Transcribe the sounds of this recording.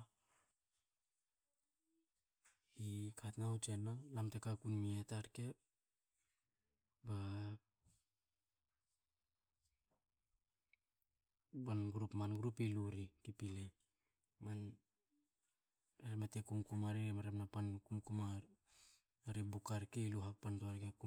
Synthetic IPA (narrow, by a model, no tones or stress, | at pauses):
ikʰatnawt͡ʃenalamtekakunmietaɾke̞ | ba | banɡɾupmanɡɾupiluɾikipile | man | eɾematekumkumaɾiɾemaɾemnapankumkumaɾ | aɾebukaɾkeiluɦapantoaɾkeku